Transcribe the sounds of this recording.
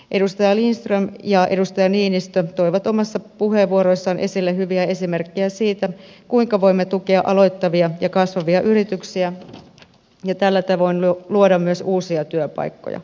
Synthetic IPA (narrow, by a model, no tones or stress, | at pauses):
ʔe̞dust̪ɑjɑlinst̪rømjɑʔe̞dust̪ɑjɑniːnist̪øt̪o̞iʋɑt̪omɑsːɑpuheʋʋuoɾo̞isːɑːnʔe̞silːeɦyʋiæe̞simerkːiæsiːt̪ækuiŋkɑʋo̞imːet̪ukeɑʔɑlo̞jt̪ːɑʋiɑjɑkɑsʋɑʋiɑʔyɾit̪yksiæ | jɑt̪ælːæt̪ɑʋoinuluodɑmmyøsuːsiɑt̪yøpɑ̰ikːo̰jɑ̰